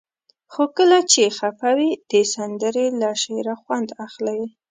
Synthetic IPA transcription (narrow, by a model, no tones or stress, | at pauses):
xokəlat͡ʃexafawid̪̥əsand̪əɾelaʃeɾaxwand̪axlaj